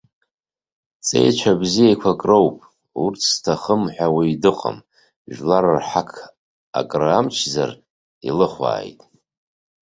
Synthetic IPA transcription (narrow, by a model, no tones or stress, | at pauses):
t͡sʼe̞̰jt͡ʃʷʰabzijajkʷʰakʼrowpʼ | ṵrt͡sʰstʰaχəmħʷᶣawijdɨqʼə̰m | ʒᶣlaɾarħakʰ | a̰kʼramt͡ʃʰza̰r | ḭlɨχʷa̰ːjtʼ